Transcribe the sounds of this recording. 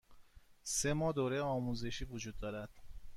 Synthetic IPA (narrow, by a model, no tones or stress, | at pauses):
se̞mɒːd̪oːɾejeɒːmuze̞ʃiːvud͡ʒuːd̪ːɒːɾæd̪̥